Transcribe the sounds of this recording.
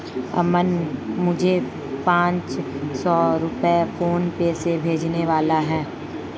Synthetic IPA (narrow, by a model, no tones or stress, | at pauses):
ɐ̰mənmʊd͡ʒʱe | pãːt͡ʃsɔːɾʊpefoːnpeːsebʱeːd͡ʒneʋaːlaɦɛː